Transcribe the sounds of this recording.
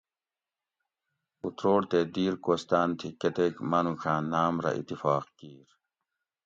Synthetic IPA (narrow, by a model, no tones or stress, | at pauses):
ut̪ɾoːɽt̪eːd̪iːɾkoːst̪aːnt̪ʰikːɐt̪eːkmɐnukʰãːnaːmɾɐ̰ʔḭt̪ːifɑːqkiːɾ